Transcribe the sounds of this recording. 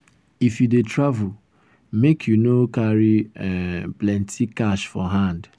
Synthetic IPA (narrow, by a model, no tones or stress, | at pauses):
ifjudetɾavul | mekʰjunokaɾi | plɛ̃ntʰikaʃfɔɦãnd